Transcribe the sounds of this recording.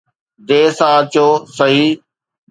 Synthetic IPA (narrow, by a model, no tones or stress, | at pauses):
d̪eːsãːt͡ɕoːsɐɦiː